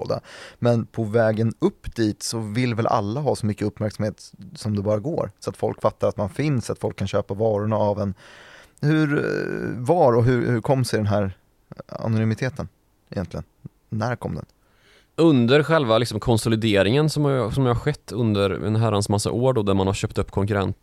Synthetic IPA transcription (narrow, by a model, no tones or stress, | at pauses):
d̪a̰mɛnpʰɔvɛːɡənɵpːd̪̥iːt̪sɔvɪlːvɛlʔa̰lːaɦɑːsɔmʏkːəɵpːmæɾksamheːt̪sɔmd̪ɛbɑːɾaɡo̰ːɾsɔat̪fɔlkfat̪ːaɾat̪manfɪnsat̪fɔlkʰːanɕøːpavɑːɾʊɳaːvɛn | hɵɾ | vɑːɾɔɦɵɾhɵɾkʰɔmːsɛd̪ɛnɦæːɾ | a̰nʊnʏmɪt̪ʰeːt̪ən | ɪjɛ̰nt̪lɪɡə̰nː | æɾkʰɔ̰mːd̪ɛ̰n | ɵnd̪əɾɧɛlvalɪksɔmkʰɔnsɔlɪd̪eːɾɪŋənsɔmsɔmjɑhaɾɧɛt̪ːɵnd̪əɾɛ̰nɦæɾansmasːa̰ʔoːɖod̪æɾmanhaɾɕœːp̚t̪ɵpːkʰɔŋkɵɾɛ̰nt̪